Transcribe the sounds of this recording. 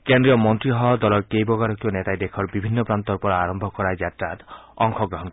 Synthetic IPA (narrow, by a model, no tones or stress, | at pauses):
kend̪ɾijɔmɔnt̪ɾiɦɔd̪ɔlɔɾkejbɔɡaɾɔkionet̪ajd̪ekʰɔɾbibʱinːɔpɾant̪ɔɾupɔɾaɾɔmbʱɔkɔɾajd͡ʒatɾatɔŋkʰɔɡɾɔɦɔnk